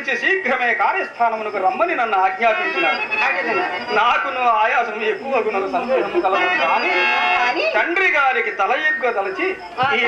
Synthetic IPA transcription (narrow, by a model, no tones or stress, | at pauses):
t͡ʃisiːkɾɐmɐjɐkaːɾjɐst̪ʰaːnɐmɐnɐkuɾɐmbɐninɐnːuaːɡɲaːpist̪unːaːɽu | naːkunuʋaːjaːsɐnːuekːuʋɐkunɐkusɐnd̪ɐːɦɐmːukɐlɐʋɐt̪aːni | t̪ɐɳɖɾiɡaːɾikit̪ɐlɐjiɡʋɐt̪ɐlɐt͡ʃi | iː